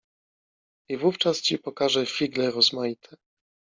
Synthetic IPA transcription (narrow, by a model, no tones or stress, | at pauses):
ivuft͡ʂast͡ɕipɔkaʐɛfʲiɡlɛɾɔzmajit̪ʰɛ